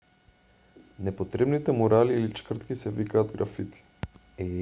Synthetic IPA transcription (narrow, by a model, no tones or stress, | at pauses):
nɛpot̪ɾɛbnit̪ɛmoɾaliːlit͡ʃkr̩t̪kisɛvikaːd̪ɡɾafit̪i̥ | ɛ